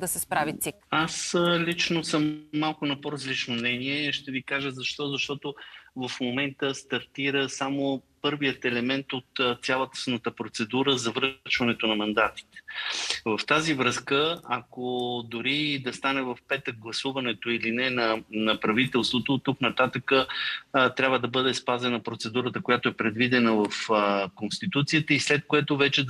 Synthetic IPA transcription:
d̪ɐsɛspɾavisikaslit͡ʃnosəmːalˠkʊnɐpoɾɐzlit͡ʃnomnɛniɛʃt̪ɛvikaʒəzɐʃt̪ɔzɐʃt̪ɔt̪ovɐfmomɛnt̪əst̪ɐɾt̪iɾəsamopɤɾvijət̪ɛlɛmɛnt̪ot̪t̪sʲjalˠət̪ə̥snət̪əpɾot̪sɛd̪uɾəzɐvɾət͡ʃvɐnɛt̪onɐmɐnd̪at̪i̥t̪ɛ̥vɐft̪azivɾɤskəakod̪ʊɾid̪ɐst̪anɛvɐfpɛt̪ək̚ɡlˠɐsuvɐnɛt̪oilinɛnɐnɐpɾɐvit̪ɛlˠst̪vot̪ot̪ːuknɐt̪at̪əkət̪ɾʲabvəd̪ɐbɤd̪ɛspazɛnɐpɾot̪sɛd̪uɾət̪əkojat̪oɛpɾɛd̪vid̪ɛnəvəfkonst̪it̪ut̪sijət̪əislɛt̪̚koɛt̪ovɛt͡ʃɛd̪

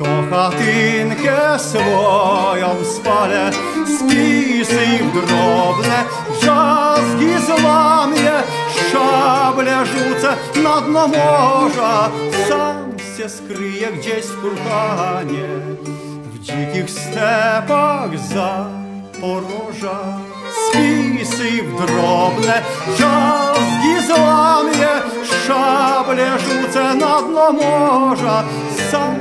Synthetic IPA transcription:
t̪ɔkɐt̪inkʲɛsvɔjɔmspalʲɛ | spʲisɨivɡrɔbnɛ | t͡ʃaskʲizlˠanjɛʂt͡ʃablʲaʐut̪sɐ | nɐd̪nɐmɔʐɐsamsʲɛskɾɨjɛɡdʲesʲkʊlk̪aɦaɲʲɛ | vd͡ʑikʲixst̪ɛpaɣza | pɔɾɔʐa | spʲisɨɣd̪rɔbnɛt͡ʃaskʲizlanjɛ | ʂablʲɛʐut̪sɛnad̪nɔmɔʐa | sam

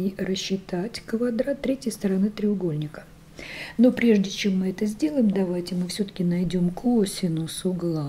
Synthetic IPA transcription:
irəɕːɪt̪atʲkvɐd̪ɾat̪ːɾʲetʲjəjst̪əɾɐnɨt̪ɾʲɪʊɡo̞lʲnʲɪkə̥ | no̞pɾʲe̞ʐdʲɪt͡ɕe̞mːɨɛt̪əzʲdʲe̞lˠəjɪmd̪ɐvajtʲɪmɨfsʲɵt̪ə̥kʲɪnɐjdʲo̞mkʰosʲɪnʊsʊɡlˠa

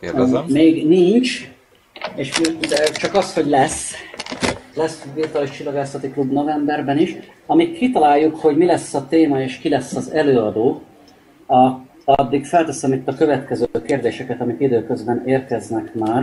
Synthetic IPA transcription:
meːɡniɲt͡ʃ | eːʃd̪ɛt͡ʃɒkɒsho̞ɟlɛs | lɛsvirt̪uaːliʃt͡ʃilːoɡaːsɒt̪iklubno̞vɛmbɛrbɛniʃ | ɒmikʰːit̪ɒlaːjːukho̞ɟmilɛsːɒt̪eːmɒeːʃkilɛsːɒzɛløːɒd̪oː | ɒ | ɒd̪ːikfɛlt̪ɛsɛmit̪ːɒkø̞vɛt̪kɛzøːkeːrd̪eːʃɛkɛt̪ɒmikid̪øːkø̞zbɛneːrkɛznɛkmaːr

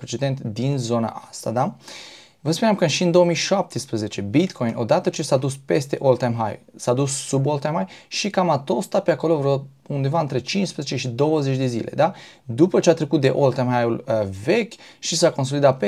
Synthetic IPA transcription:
pɾet͡ʃe̞d̪e̞nt̪d̪inzo̞na̰ʔast̪ad̪am | vəspunamkəʃiɨnd̪o̞omijʃap̚t̪espɾəze̞t͡ʃe̞bit̪kʰo̞jnʔo̞̰d̪at̪ət͡ʃe̞sad̪uspe̞st̪e̞ʔolt̪ajmɦa̰jṵlsad̪ussubolt̪ajmhajʃikamat̪o̞st̪at̚peako̞lo̞vɾo | und̪e̞vaɨnt̪ɾe̞t͡ʃinʃspɾəzet͡ʃe̞ʃid̪o̞wəze̞t͡ʃʲd̪e̞zḭlʔe̞̰d̪a | d̪upət͡ʃeat̪ɾe̞kut̪̚d̪e̞̰ʔolt̪ajmhajulve̞kʲʃisako̞ns̬o̞lid̪at̪̚pe

